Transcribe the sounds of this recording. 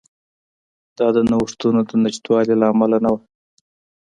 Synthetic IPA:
d̪̥ɑd̪ənawʂt̪unod̪ənɪʃt̪wɑlelaːmalanawa

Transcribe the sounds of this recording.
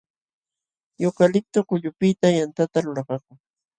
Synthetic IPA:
jokalɪk̚t̪okʊʎʊpɪt̪ajant̪at̪aɾʊɾɑqɑkʊŋ

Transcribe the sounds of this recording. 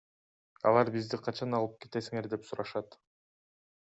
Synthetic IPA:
ɑ̰lˠɑɾbizd̪iqʰɑt͡ʃɑnɑlˠɯp̚ke̞t̪e̞siŋe̞ɾd̪e̞psuɾɑʃɑt̪

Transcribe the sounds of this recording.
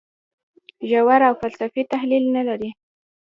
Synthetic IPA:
ʒawaɾawfalsafit̪ahlilnalaɾi

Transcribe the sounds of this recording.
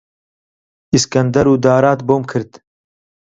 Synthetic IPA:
iskɐnd̪ɐɾuːd̪ɑːɾɑːt̪boːmkʰɨɾd̪

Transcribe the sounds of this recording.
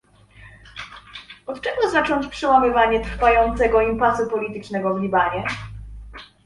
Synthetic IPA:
ɔt̪t͡ʂɛɡɔzat͡ʂɔɲt͡ɕpʂɛwamɘvaɲɛt̪ɾfajɔnt̪sɛɡɔimpasupɔlʲit̪ɘt͡ʂnɛɡɔvlʲibaɲɛ

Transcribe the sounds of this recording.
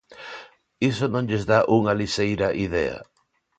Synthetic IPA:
isonõŋʎezðaʔuŋɐlisejɾɐʔiðɛɐ̰

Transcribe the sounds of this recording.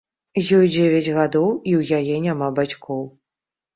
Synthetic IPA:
jɔjd͡zʲevʲɛd͡zʲɣad̪ɔwiwjajɛnʲamabat͡sʲkɔw

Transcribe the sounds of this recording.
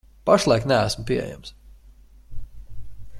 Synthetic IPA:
paʃlˠajknææsmpiɛḛjæ̰ms

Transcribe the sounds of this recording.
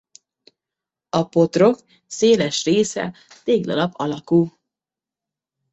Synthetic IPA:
ɒpo̞t̪ro̞k | seːlɛʃreːsɛ̰ | t̪eːɡd̪ɒ̰lɒbɒlɒkuː

